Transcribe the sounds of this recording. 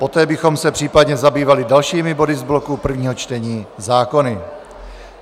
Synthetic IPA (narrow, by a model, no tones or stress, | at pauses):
po̞t̪ɛːbɪxo̞msɛpr̥iːpadɲɛzabiːvalɪdalʃiːmɪbo̞dɪzblo̞kupr̩vɲiːɦo̞t͡ʃt̪ɛɲiːzaːko̞nɪ